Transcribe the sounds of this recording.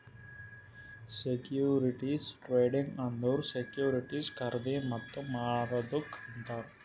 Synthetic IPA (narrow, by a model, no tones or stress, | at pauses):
sekjuːɾiʈisʈɾeːɖiŋɡɐ̃nd̪oʋɾsekjuːɾiʈiːskɐɾd̪emɐt̪ːumaːɾɐd̪ukːɐnt̪aːɾ